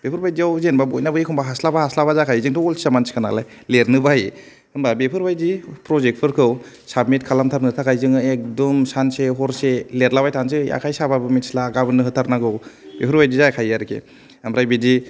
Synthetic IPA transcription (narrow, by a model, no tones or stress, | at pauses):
b̥epʰɯɾbajdiawzenbabojnabɯikʰumbaɦaslabahaslabazakʰajzɯŋtʰɔɔli̥samansi̥kʰana̰la̰j | leɾnɯbaji | ɯmbabepʰɯɾbajdipɾɔzek̚pʰɯɾkʰɯw | sabmitkʰalamtʰaɾnɯtʰakajzɯŋɯek̚dɔmsanseɦɔɾseleɾlabajtʰans̬ɯja̰kʰajsababɯmitslaːɡabɯnɯɦɯtʰaɾnaɡɯwb̥epʰɯɾbajdizajkʰajaɾkʰḛ | amɾajbidi